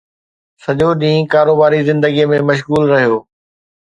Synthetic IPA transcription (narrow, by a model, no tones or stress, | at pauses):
sɐʄoɗĩːkaːɾoːbaːɾizɪ̃nd̪əɡijəmẽmɐʃ̬ɣuːlɾɐɦijoː